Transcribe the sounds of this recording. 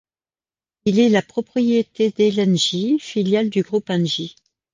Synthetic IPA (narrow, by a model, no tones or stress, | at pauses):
ilɛlapχɔpχijet̪ed̪elɛnʒifiljald̪yɡʁupɛ̃nʒi